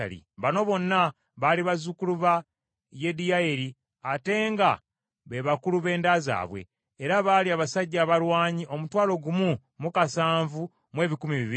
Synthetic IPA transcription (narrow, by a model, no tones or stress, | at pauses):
a̰lḭβano̞βo̞nːa | βaliβazukuluβa | je̞diaeɾi | ate̞ːŋɡa | βeβakuluβe̞ːndaza̰ːβwe̞̰ː | ɾaβaːliaːβasaɟːaːβalwaːɲiʔo̞mutwaːlo̞ɡumu | mukasaːɱvu | mwe̞ːβikumiβiβi